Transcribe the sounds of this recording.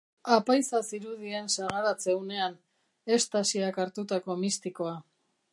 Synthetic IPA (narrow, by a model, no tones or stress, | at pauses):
apajsasiɾuðiensaɣaɾat͡se̞une̞an | e̞st̪asiakaɾt̪ut̪ako̞mist̪iko̞a